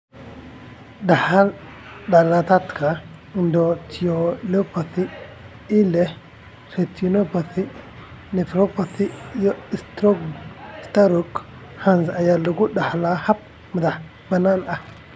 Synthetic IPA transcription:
dahal | dalat̪at̪kʰa | ndot̪ʰiolepaθi | ilɛ | ɾet̪unopaθi | nefɾopaθijɔistɾoɡst̪aɾuk | hanzajalːuɡudahlahap̚ | mad̪aħ | banana

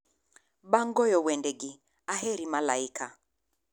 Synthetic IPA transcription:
ɓaŋɡɔjɔwɛndɛɡi | aɦɛɾimalaika

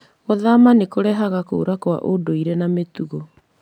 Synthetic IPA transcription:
ɔðamanekoɾɛɦaɣako̰ːɾakwa̰ʔodoiɾɛnametuɣo

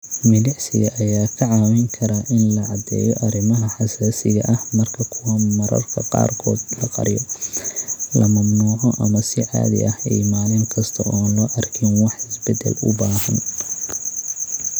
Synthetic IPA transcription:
mɪlɪʕsɪ̰ɣɐʔɐjaːkʰɐʕɑːwɛŋkʰɐɾaʔɪnlɐʕɑd̪ɛ̰ːjɔʔɐɾɪmɐɦɐħɑsaːsɪɣɐʔɐhmɐrkʰɐkʰʊwɐmɐɾɐ̰rkʰɐqɑ̰ːrkʰɔːd̪lɐqɑ̰ɾɪjɔ | lɐmɐmnuːʕɔʔɐmɐsɪʔa̰ːðɪ̰ʔɐhḭːmaːlɪŋkʰɐst̪ʰɐʔɔːnlɔːʔɐrkʰɛnwɑħɪsbɛd̪ɛ̰lʊ̰baːɦɐn

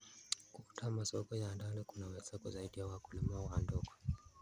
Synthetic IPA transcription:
kutʰamasɔkɔjandanikunawɛsakɔzaiɗijawakulimawandɔkɔ̥

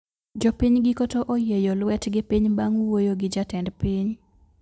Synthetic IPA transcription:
d͡ʒopiɲɡɪkotoʔojejolwɛtɡɪpiɲbaŋwojoɡɪd͡ʒatɛndpiɲ

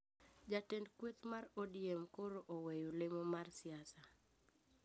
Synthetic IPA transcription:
d͡ʒatendkwet̪marodjemkoɾoʔowejolemomarsɪasa

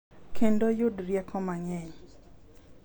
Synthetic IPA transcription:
kʰendojʊdɾjɛkʰɔmaɲɛɲ

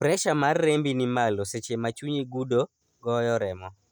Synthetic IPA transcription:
pɾɛʃamarːembinimaloset͡ʃemat͡ʃuɲiɡudo | ɡɔjɔɾɛmɔ

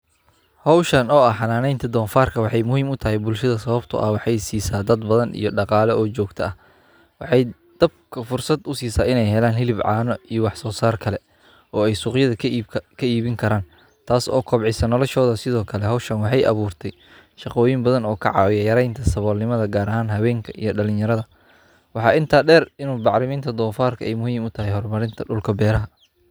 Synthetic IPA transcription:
hɔwʃɐnɔːɐħɑnaːnɛjnt̪ʰɐd̪ɔːnfaːrkʰɐwɑħɑjmʊɦiːmʊt̪ʰɐɦɛjbʊlʃɐðɐsɐβɐbt̪ʰɐ̰ʔɐ̰hwɑħɑjsiːsaːd̪ɐd̪bɐðɐnḭjɞɖɑqɑːlɛʔɔːt͡ʃɔːɡt̪ʰɐɐh | wɑħɑj | d̪̥ɐb̚kʰɐfʊrsɐd̪ʊsiːsaːɪnɛjɦɛlaːnɦɪlɪbʕɑːnɔijɔwɑħsɔːsaːrkʰɐlɛ | ɔːɛjsʊːqjɐðɐkʰɐiːβɪŋkʰɐɾaːn | t̪ʰaːsɔ̰ːkʰɔbʕɪsɐnɔlɔʃɔːðɐsɪðɔːkʰɐlɛɦɔwʃɐnwɑħɑjʔɐ̰βuːrt̪ʰɛj | ʃɑqɔːjɪmbɐðɐnɔːkʰɐ̰ʕɑ̰ːwɪjɐjɐɾɛjnt̪ʰɐsɐβɔːlnɪmɐðɐɡaːɾɐɦaːnɦɐβɛːŋkʰɐʔḭjɞɖɐlɪ̃ɲjɐɾɐðɐ | wɑħɑːʔɪnt̪ʰaːɖɛːrɪnuːbɑʕɾɪmiːnt̪ʰɐd̪ɔːfaːrkʰɐʔɛjmʊhiːmʊt̪ʰɐɦɛjɦɔrmɐɾɪnt̪ʰɐɖʊlkʰɐbɛːɾɐɦɐ

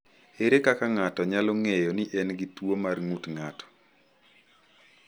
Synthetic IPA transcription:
eɾekakaŋatɔɲalɔŋejɔniʔɛnɡitwomarŋutŋatɔ̥

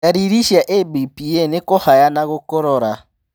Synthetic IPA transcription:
aɾiɾiʃjaʔebipijɛnekɔhajanaɣokɔɾɔɾa

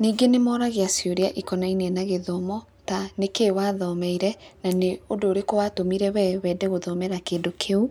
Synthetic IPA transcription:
niːɡenemɔːɾaɣeasjoɾeaʔikɔnainiɛnaɣeðɔmɔ | tanekewaːðɔmɛiɾɛnaneodoːɾekowatomiɾɛwɛwɛːdɛɣoðɔmɛɾakeːndokʰeu

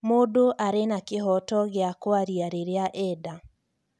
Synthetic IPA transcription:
modoʔaɾenakeɦɔtɔɣeakwaɾiaɾeɾeaʔɛda

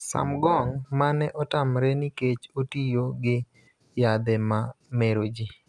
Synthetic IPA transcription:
sa̰mɡɔŋmanɛʔɔtamɾɛniket͡ʃotijoɡɪ | jad̪ɛmameɾod͡ʒi

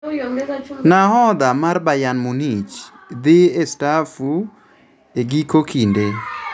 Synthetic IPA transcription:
nahɔd̪amarbajanmunit͡ʃ | d̪ɪestafu | eɡikokʰinde

